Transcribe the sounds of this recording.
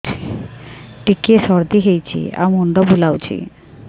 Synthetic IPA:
ʈikeʃɔɾd̪iɦejt͡ɕʰḭa̰munɖɔbulawt͡ɕʰḭ

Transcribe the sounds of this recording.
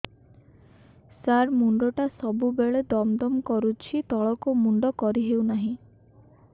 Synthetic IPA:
saɾmuɳɖɔʈasɔbubeɭed̪ɔmd̪ɔmkɔɾut͡ʃʰit̪ɔɭɔkumuɳɖɔkɔɾiɦewnaɦĩ

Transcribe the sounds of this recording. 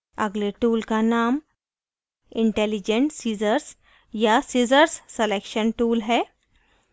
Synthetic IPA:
ə̰ɡleʈuːlkanam | iɳʈelid͡ʑeɳʈsiːzəɾs | jasid͡zəɾsːelekʃənʈuːlɦɛ

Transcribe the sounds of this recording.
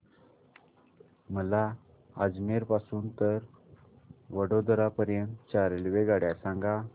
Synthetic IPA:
məla | ad͡zmeɾpasuːnt̪əɾ | ʋəɽod̪ɾapəɾjənt̪t͡ɕaɾlʋeɡaɽjasãŋɡa

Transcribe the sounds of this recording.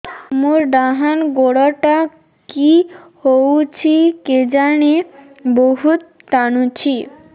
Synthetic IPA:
muɾɖ̪aɦanɡoɽaʈa | kihowt͡ɕʰiked͡ʑane | boɦut̪ːanut͡ɕʰi

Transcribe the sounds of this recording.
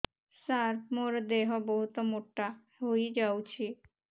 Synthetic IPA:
saɾmoɾd̪eɦɔbɔɦut̪ɔmoʈːa | ɦojd͡ʒawt͡ʃʰi

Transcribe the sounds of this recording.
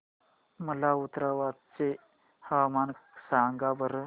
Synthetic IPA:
məlaut̪ɾaʋat̪t͡se | həʋamansaŋɡabəɾ

